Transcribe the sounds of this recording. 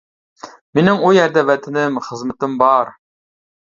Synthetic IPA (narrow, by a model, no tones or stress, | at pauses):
menɪŋujæɾd̪ɛvæt̪ʰɪnɪmχəzmɨt̪ɪmbɑɾ